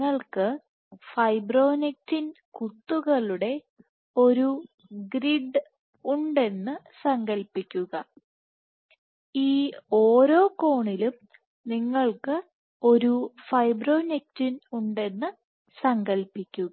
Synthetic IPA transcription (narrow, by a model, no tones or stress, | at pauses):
ɐɭkɨ | fɐjbro̞ːnek̚tinkut̪ːuɣɐɭuɽe̞ | o̞ɾu | ɡɾiɖ | uɳɖe̞nːɨ | sɐŋɡɐlpːikʲːuɣɐ | iːoːɾo̞ːko̞ːɳilum | niŋːɐɭkɨ | o̞ɾufɐjbro̞ːnek̚tinuɳɖe̞nːɨ | sɐŋɡɐlpikʲːuɣɐ